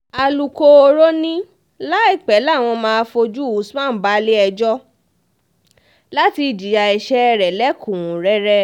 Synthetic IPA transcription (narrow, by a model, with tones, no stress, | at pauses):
a˨lu˨ko˧o˧ɾo˦nĩ˦ | la˦i˦˨k͡pɛ˨˦la˦˨w̃ɔ̃˧mãː˧˦fo˧d͡ʒu˦u˨˦smã˦˨˦ba˨˦li˦ɛ˧d͡ʒɔ˦ | la˦ti˧˨d͡ʒi˨ja˧ɛ˨ʃɛ˦ɛ˧ɾɛ˨lɛ˦kũ˨ũ˨ɾɛ˦ɾɛ˦